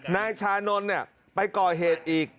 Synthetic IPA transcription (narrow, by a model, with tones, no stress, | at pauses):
naː˧˥jt͡ɕʰaː˧˥no˧˥nːi˦˥˩ə | pa˧jkɔː˨˩ɦeː˨˩t̪̚ʔiː˨˩k̚